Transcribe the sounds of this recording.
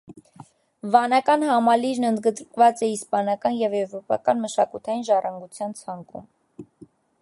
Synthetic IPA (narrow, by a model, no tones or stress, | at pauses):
vɑnɑkɑnhɑmɑliɾnənd̪ɡəd̪ɾkvɑt͡sɛispɑnɑkɑnjɛvɛvɾɔpɑ̰kɑnməʃɑkut̪ʰɑjinʒɑrɑŋɡut͡sʰjɑnt͡sʰɑŋkṵm